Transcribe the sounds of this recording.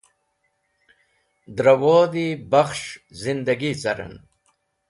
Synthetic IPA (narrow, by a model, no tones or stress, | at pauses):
d̪ɾɐwoːd̪ibɐxʂzind̪ɐɡit͡sɐɾɐ̰n